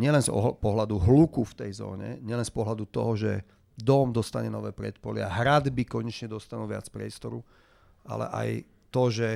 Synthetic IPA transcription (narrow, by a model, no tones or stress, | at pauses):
ɲɪɛlɛnzɔ̰pɔɦlad̪uɦlukuft̪ɛjzɔ̰ːɲɛ̰ɲɪɛlɛnspɔɦlad̪ut̪ɔ̰ɦɔʒɛ | d̪ɔmd̪ɔst̪aɲɛnɔʋɛːpɾɛt̪pɔliaɦɾad̪bikɔɲɛt͡ʃɲɛd̪ɔst̪anulʋɪa̰t͡spɾɪɛst̪ɔɾu | a̰lɛ̰ʔa̰j | t̪ɔʒɛ